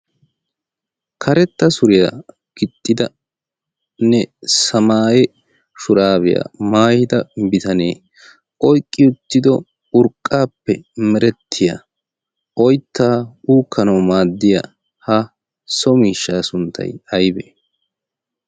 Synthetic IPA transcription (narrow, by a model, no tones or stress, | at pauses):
kʰɐɾɛt̪ːɐsʊɾɪja | ɡ̥ɪt̪ʼːɪd̪ɐ | nɛsɐmaːjɛ | ʃʊɾaːbɪja̰ːmaːjɪd̪ɐbɪt̪ɐnḛː | ɔjkʼːɪʊt̪ːɪd̪ɔ | ʊɾkʼːaːpːɛmɛɾɛt̪ʰːɪjɐ | ʔɔjt̪ːaːuːkːɐnɐwmaːd̪ːɪja | hɐ | sɔmiːʃːaːsʊnt̪ʰːɐ̰jɐjbeː